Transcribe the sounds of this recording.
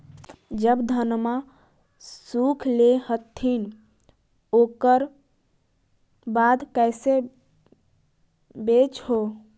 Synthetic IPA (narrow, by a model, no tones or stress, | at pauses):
d͡ʒəbd̪ʱənma | sukʰlehət̪ʰːin | okəɾ | bad̪ʱkɛɪse | bet͡ʃɦo